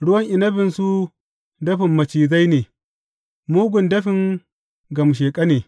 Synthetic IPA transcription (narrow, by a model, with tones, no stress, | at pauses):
ɽʊ˦wɐ˦ŋʔɪ˨nɐ˦ɸɪ˨nsu˦ | dɐ˦ɸɪ˨mːɐ˨t͡ʃiː˨za˦jneː˨ | muː˦ɡʷʊ˨ndɐ˦ɸɪ˨ŋ | ɡɐ˨m˨ʃ̬eː˨kʼɐ˦neː˨